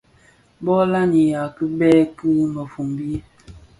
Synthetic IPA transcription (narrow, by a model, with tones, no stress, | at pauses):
bɔ˦la˦ni˨ja˨kɨ˦bɛ˦kɨ˦mə˨fu˨mbi˦